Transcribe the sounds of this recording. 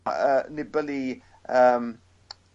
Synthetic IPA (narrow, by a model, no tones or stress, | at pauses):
əːnɪbəli | əːm